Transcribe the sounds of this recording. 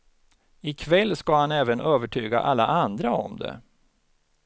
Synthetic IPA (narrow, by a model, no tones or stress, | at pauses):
ɪkʰvɛlːskahanɛːvənøːvəʈʰyːɡa̰ʔalːaʔand̪ɾaɔ̰md̪ɛ̰